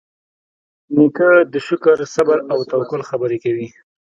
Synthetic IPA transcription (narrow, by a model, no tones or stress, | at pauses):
nikəd̪əʃʊkəɾsabaɾawt̪awkʊlxabəɾekawi